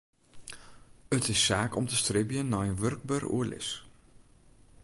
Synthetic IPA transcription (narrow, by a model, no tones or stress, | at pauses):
ətɪsːaːkɔmtəstrɪbjənːɔjənʋørk̚børṵəlɪ̰s